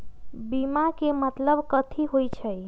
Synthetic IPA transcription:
bimakemət̪ləbkət̪ʰiɦojt͡ʃʰəj

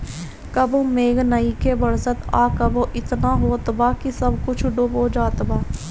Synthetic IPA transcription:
kəbõːmeːɡnəiːkebəɾzət̪aːkəbõːʔɪt̪naːɦoːt̪baːkisəbkʊt͡ʃʰɖoboːd͡ʒaːt̪baː

